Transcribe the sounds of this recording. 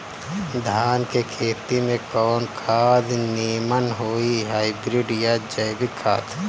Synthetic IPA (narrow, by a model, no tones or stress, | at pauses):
d̪ʱaːnkekʰeːt̪imẽkɔːnkʰaːd̪niːmənɦoːiɦaːibɾiɖijad͡ʒəjbɪkʰa̰ːt̪ʰ